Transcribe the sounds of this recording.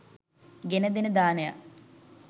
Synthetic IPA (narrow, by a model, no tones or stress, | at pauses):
ɡenəd̪enəd̪aːneja̰